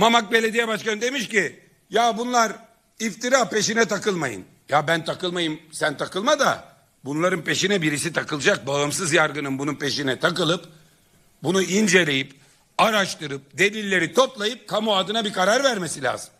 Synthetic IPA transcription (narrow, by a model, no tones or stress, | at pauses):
mamak̚be̞lʲe̞d̪ijɛbaʃkanɯd̪e̞miʃci | jabunlˠaɾ | ift̪iɾaːpe̞ʃinɛt̪ʰakɯlˠmajɯ̰n | jabænt̪ʰakɯlˠmajɯmsænt̪ʰakɯlˠmad̪a̰ | bunlˠaɾɯnpe̞ʃinɛbiɾisit̪ʰakɯlˠɯd͡ʒak̚baɯmsɯzjaɾɡɯnɯnbununpʰe̞ʃinɛt̪ʰakɯlˠɯp | bunuʔind͡ʒe̞lʲejip | aɾaʃt̪ɯɾɯp̚d̪e̞lʲilʲːe̞ɾit̪ʰo̞plˠajɯp̚kʰamuad̪ɯnabikʰaɾaɾvæɾme̞silʲa̰ːzɯm